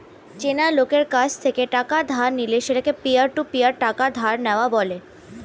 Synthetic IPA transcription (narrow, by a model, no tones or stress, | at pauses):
t͡ɕenalokeɾkat͡ɕʰt̪ʰekeʈakad̪ʱaɾnileʃeʈakepiəɾʈupijəɾʈakad̪ʱaɾnɛoabɔle